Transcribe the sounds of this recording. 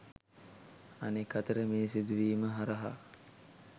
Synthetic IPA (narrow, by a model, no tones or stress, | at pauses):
anekːat̪əɾəmeːsid̪uʋiːməɦaɾəɦa̰